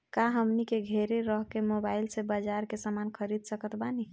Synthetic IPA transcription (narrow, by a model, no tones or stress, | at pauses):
kaɦəmnikeɡʱeɾeɾəɦkemobailsebad͡ʒaɾkesamankʰəɾid̪̚ʱsəkət̪bani